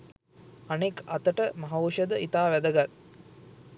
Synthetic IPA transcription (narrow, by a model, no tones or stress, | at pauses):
anekat̪əʈəmaɦɐuʃəd̪əit̪aːʋæd̪əɡat̪̚